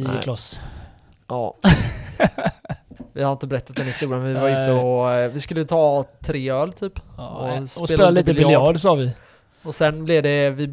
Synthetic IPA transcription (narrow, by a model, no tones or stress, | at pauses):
kʰlɔs | ʔɑ̰ː | vɪhaɾɪnt̪əbɛɾɛt̪ːat̪̚d̪ɛnɪst̪uːɾamɛnvɪvaɾɪnt̪ːəɔvɪskɵlːət̪ʰɑːt̪ʰɾeːœːlt̪ʰyːpɔseːleːlaliːəljɑːɖsɑːvɪ | ɔsɛnblɛvd̪ɛvɪ